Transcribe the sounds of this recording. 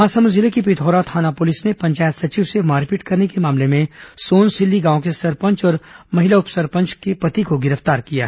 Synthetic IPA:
ɦãːsɐmʊzɪlekip̬ɪt̪ʰɔːɾat̪ʰaːnapʊlɪsnepɐ̃ɲt͡ʃaːjət̪sɐt͡ʃiːʋsemaːɾpiʈkɐɾnekemaːmlemẽsoːnsɪlːiɡãːõkesɐɾpə̃ɲt͡ʃɔːɾmɐɦɪlaʊpsɐɾpɐ̃ɲt͡ʃkepɐt̪ikoɡɪɾəft̪aːɾkija̰ɦ

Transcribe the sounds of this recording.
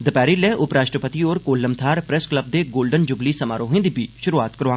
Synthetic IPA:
d̪əpɛːɾiːlɛːʔʊpɾaːʃʈɾəpət̪iːoːɾkoːlːəmt̪ʰaːɾpɾɛskləb̚d̪eːɡoːlɖənd͡ʒʊbliːsəmaːɾoːɦẽːd̪ibiːʃʊɾuaːt̪kəɾʋãː

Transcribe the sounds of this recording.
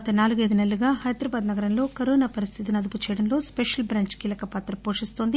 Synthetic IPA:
ɐt̪ɐnaːluɡɐd̪inelːuɡaːhɐjd̪ɾɐbaːd̪nɐɡɐɾɐmlo̞ːkɐɾoːnaːpɐɾist̪ʰit̪inɐd̪uput͡ʃɛːjɽɐnlo̞ːspeʂɐlbɾaːɲt͡ʃkiːlɐkɐpaːt̪ɾɐpoːʂist̪o̞ːnd̪i

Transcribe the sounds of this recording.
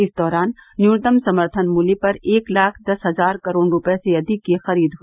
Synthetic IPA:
ɪsd̪ɔːɾaːnːjuːɾt̪əmsɐməɾt̪ʰənmuːlepɐɾeːklaːkʰd̪ɐsɦɐzaːɾkɐɾoːɳɾʊpeseɐd̪ɪkːexɐɾiːd̪ɦo

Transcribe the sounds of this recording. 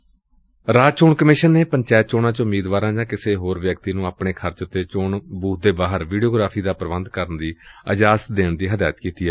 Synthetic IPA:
ɾaːt͡ʃoːɳkəmɪʃənːeːpəɲt͡ʃaːt̪̚t͡ʃoːɳãːt͡ʃʊmːiːd̪ʋaːɾãːd͡ʒãːkɪseːɦoːɾʋjəkt̪iːnũːaːpɳeːkʰəɾt͡ʃt̪eːt͡ʃoːɳbuːt̪̚d̪eːbaːɦəɾʋiːɖioːɡɾaːpʰiːd̪aːpɾəʋənd̪kəɾənd̪iːəd͡ʒaːsd̪eːɳd̪iːɦəd̪aːjət̪kiːt̪iːaː

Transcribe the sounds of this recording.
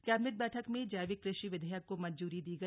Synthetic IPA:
kɛːbmɪʈ̪̚bɛːʈʰəkmẽd͡ʒaːʋɪkːɾɪʃiʋɪd̪ʱəjəkːomɐd͡ʒd͡ʒuːɾid̪iːɡɐ

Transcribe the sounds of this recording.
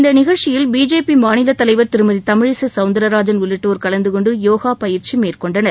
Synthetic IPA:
ɪnd̪ɐnɪɣɐɻt͡ʃɪjɪlbiːd͡ʒeːpimaːnɪlɐt̪ːɐlɐɪʋɐɾt̪ɪɾɯmɐðit̪ɐmɪɻɪsɐsɐʊnd̪ɐɾɐɾaːd͡ʒɐnʋɪɭːɪʈːoːɾkɐlɐnd̪ɯkɔɳɖɯjoːɣaːpɐjɪɾt͡ʃimeːrkɔɳɖɐnɐɾ

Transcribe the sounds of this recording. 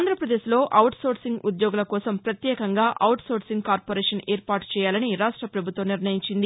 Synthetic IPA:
aːnd̪ʱɾɐpɾɐd̪eːʃlo̞ːʔɐwʈso̞ːɾsiŋɡud̪joːɡulɐkɔːsɐmpɾɐt̪jɛːkɐŋɡaːʔɐwʈsoːsiŋɡkaːɾpoːɾɛːʂɐneːɾpaːʈt͡ʃɛːjaːlɐniɾaːʂʈɾɐpɾɐbʱut̪ʋɐmniɾnɐjiɲt͡ʃind̪i

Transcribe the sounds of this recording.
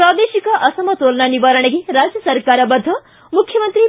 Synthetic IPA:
pɾad̪esikɐʔʌsɐmʌt̪olnʌnibaɾɐɽeɡiɾad͡zjɐsɐɾkaɾɐbɐd̪ʱːɐ | mukʰjɐmʌnt̪ɾi

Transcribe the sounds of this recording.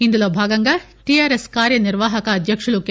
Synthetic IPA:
ind̪ɐloːbʱaːɡɐŋɡɐ | ʈiaːɾeskaːɾjɐniɾʋaːɦɐkɐːd̪ʱjɐkʂɐɭuk

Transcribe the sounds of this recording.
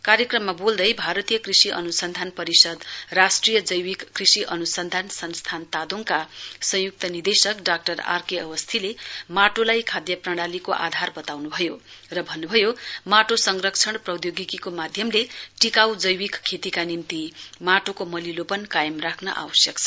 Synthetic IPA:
kaɾjekrʌmːabold̪ʌjbʱaɾʌt̪ijʌkrisiʔʌ̰nusʌnd̪ʱanpʌɾisʌd̪rasʈrijʌd͡zʌjwikːrisiʔʌnusʌnd̪ʱansʌnst̪ʰant̪ad̪oŋkasʌ̃juk̚t̪ʌnid̪esʌkɖak̚ʈʌra̰rkeʌwʌst̪ʰilemaʈolajkʰad̪jʌprʌɽ̃alikoʔa̰d̪ʱarbʌt̪awnubʱʌjorʌbʱʌnːubʱʌjomaʈosʌŋrʌkt͡sʰʌɽprʌd̪joɡikikomad̪ʱjʌmleʈikawd͡zʌjwikkʰːet̪ikanimt̪imaʈokomʌlilopʌnkajemrakʰnʌ̰ʔa̰wʌsjʌkt͡sʰʌ

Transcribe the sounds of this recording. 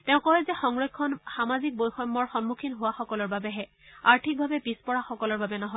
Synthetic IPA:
tɛʊ̃kɔɦɛzɛxɔŋɹɔkʰːɔnxamazik̚bojxɔmːɔɹxɔnmukʰinɦowaxɔkɔlɔɹbabɛɦɛ | aɹtʰik̚bʱabɛpispɔɹaxɔkɔlɔɹbabɛnɔɦɔ

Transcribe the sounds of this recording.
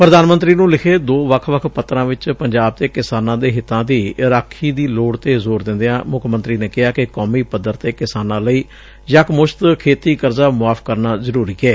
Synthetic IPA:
pɾəd̪aːnmənt̪ɾiːnũːlɪkʰeːd̪oːʋəkʰʋəkʰpət̪ːɾãːʋɪt͡ʃpəɲd͡ʒaːb̚t̪eːkɪsaːnãːd̪eːɦɪt̪ːãːd̪iːɾaːkʰːiːd̪iːloːɽt̪eːzoːɾd̪ɪ̃nd̪eãːmʊkʰmə̃nt̪ɾiːneːkɪɦaːkɪkɔːmiːpəd̪ːəɾt̪eːkɪsaːnãːləiː | d͡ʒəkmʊʃt̪kʰeːt̪iːkəɾzaːmʊaːfkəɾnaːzəɾuːɾiːɛː

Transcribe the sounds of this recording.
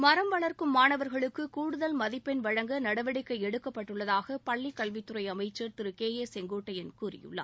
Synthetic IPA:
mɐɾɐmʋɐɭɐɾkɯmːaːnɐʋɐɾɣɐɭɯkːɯkuːɽɯðɐlmɐðɪpːɛnʋɐɻɐŋɡɐnɐɽɐʋɐɽɪkːɐɪɛɽɯkːɐpːɐʈːɯɭːɐðaːɣɐpɐɭːɪkːɐɭʋɪt̪ːɯrɐɪɐmɐɪt͡ʃːɐɾt̪ɪɾɯkeːjeːsɛŋɡoːʈːɐjɪnkuːrɪ̰jɯ̰ɭːɐ̰

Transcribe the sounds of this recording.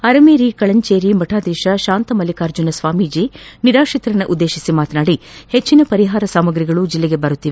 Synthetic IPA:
ɐɾɐmeːɾikɐɭɐɲt͡ʃeːɾimɐʈʰaːd̪iːʃɐʃaːnt̪ɐmɐlikaːɾd͡ʒunɐsʋaːmid͡ʒiːniɾaːʂit̪ɾɐnːɐʔud̪ːeːʃisimaːt̪naːɽihet͡ʃːinɐpɐɾiɦaːɾɐsaːmɐɡɾiɡɐɭud͡ʒilːeɡebɐɾut̪ːiʋe

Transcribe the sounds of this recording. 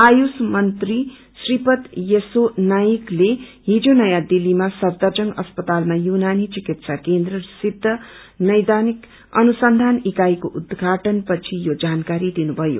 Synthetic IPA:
ajusmʌnt̪ri | sripʌt̪jesonajikleɦid͡zonʌjad̪ilːimasʌbd̪ʌrd͡zʌŋʌspʌt̪almajunanit͡sikit̪sakend̪rʌsid̪ʱːʌ | nʌjd̪anik | ʌ̰nusʌnd̪ʱanikajkoʔud̪ɡʱaʈʌnpʌt͡sʰijod͡zankaɾid̪inubʱʌjo̰

